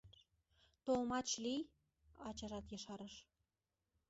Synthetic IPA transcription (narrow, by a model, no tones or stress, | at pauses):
t̪olmɑt͡ɕlij | ɑt͡ɕɑʒɑt̪jɤʃɑɾəʃ